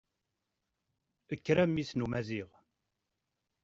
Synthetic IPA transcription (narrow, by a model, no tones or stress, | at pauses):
əkːɾæmːisnumæziʁ